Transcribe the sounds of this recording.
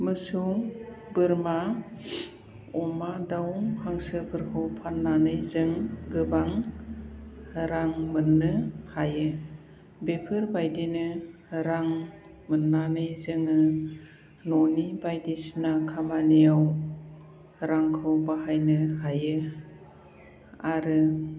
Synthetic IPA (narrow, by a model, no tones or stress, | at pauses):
mɯsuŋ | bɯɾma | ɔmadawŋhʰaŋsɯpʰɯɾkʰɯwpʰanːanɯjzɯŋɡɯbaŋ | ɾaŋmɯnːɯhajɯ | bepʰɯɾbajdinɯ | ɾaŋ | mɯnːanɯjzɯŋɯ | nɔnibajdisnakʰamanijaw | ɾaŋkʰɯwbaɦajnɯɦajɯ | aɾɯ